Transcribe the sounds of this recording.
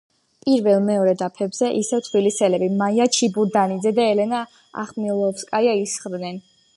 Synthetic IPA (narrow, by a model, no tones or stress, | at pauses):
pʼiɾvɛlˠmɛɔɾɛd̪apʰɛbzɛʔisɛvt̪ʰbilisɛlɛbimajat͡ʃʰibuɾd̪anid̪zɛd̪aɛlɛna | a̰χmilˠɔfskʼajaisχd̪nɛn